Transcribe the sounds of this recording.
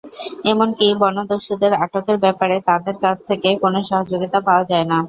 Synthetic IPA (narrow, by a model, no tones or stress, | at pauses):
emonkibɔnod̪oɾʃod̪eɾaʈokeɾbɛpaɾet̪ad̪eɾkad͡ʑʰt̪ʰekekonoʃɔɦod͡ʑoɡit̪apaoad͡ʑaena